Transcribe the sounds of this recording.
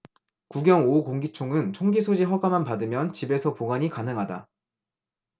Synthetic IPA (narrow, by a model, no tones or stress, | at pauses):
kuɡjʌŋokoŋɡit͡ɕʰoŋɯnt͡ɕʰoŋɡisʰod͡ʑiɦʌɡamanpadɯmjʌnt͡ɕibe̞sʰʌpoɡaɲikanɯŋɦada